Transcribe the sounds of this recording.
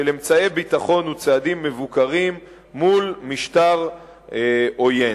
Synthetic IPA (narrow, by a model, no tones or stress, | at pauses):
ele̞mt͡saebit̪aχo̞nut͡sead̪imːevukaʁimː | ulmiʃt̪aʁ | o̞je